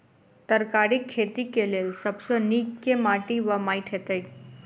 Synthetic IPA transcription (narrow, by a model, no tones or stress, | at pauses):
t̪əɾkaɾikʰːet̪ikelelsəbsənikːemaʈiʋəmajʈʰet̪əj